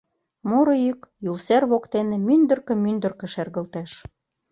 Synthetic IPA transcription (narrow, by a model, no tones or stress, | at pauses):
muɾɤ̆jykjulserβokt̪enĕmynd̪ə̆rkə̆mynd̪ə̆rkə̆ʃerɣə̆lt̪æʃ